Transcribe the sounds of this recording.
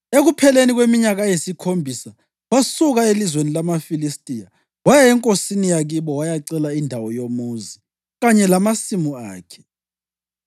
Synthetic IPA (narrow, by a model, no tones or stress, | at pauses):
eɣupʰɛleniɣwemiɲaɣajesikʰombʱisa | wasuɣaelizwenilamafilistʼija | wajɛɛŋkʼosinijaɣiβɔwajaǀɛlaindʱawɔjomuzi | ɣaɲɛlamasimuaːkʰɛ̥